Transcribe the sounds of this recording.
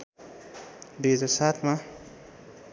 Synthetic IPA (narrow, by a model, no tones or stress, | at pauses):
d̪uɦʌd͡zaɾsat̪ʰma